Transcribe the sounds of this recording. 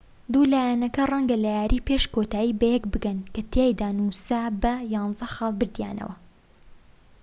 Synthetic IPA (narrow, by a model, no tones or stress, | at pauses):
d̪ulaːjanɐkɐrˤɐŋɡɐlajaːɾʔiːpeʃkot̪aːjiːbɐjɛkbɨɡɐnkɐt̪ʰejd̪aːnusabɐjɑːnzɐxɑːlˠbɨɾd̪ja̰ːnɐ̰wɐ